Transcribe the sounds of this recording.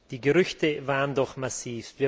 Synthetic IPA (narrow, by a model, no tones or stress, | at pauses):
d̥iːɡəʁʏçtəvaːʁəndɔχmasiːfviːɐ